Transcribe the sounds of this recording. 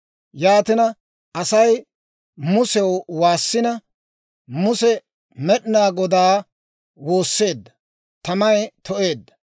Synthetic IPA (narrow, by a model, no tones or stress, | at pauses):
jaːt̪ɪnɐ | ʔɐsɐj | mʊsɛwwaːsːɪnɐ | mʊsɛ | mɛɗɪnaːɡɔd̪aː | woːsːe̞ːd̪ːɐ | t̪ɐmɐjt̪ʰɔʔe̞ːd̪ːɐ